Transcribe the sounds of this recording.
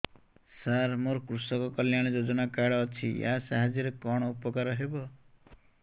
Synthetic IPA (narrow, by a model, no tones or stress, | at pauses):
saɾmoɾkɾusɔkɔkʌljaɽ̃ed͡ʒod͡ʒɔnakaɽɔːt͡ʃʰija̰saɦad͡ʒiɾekɔɽ̃ɔupɔkaɾɔɦebɔ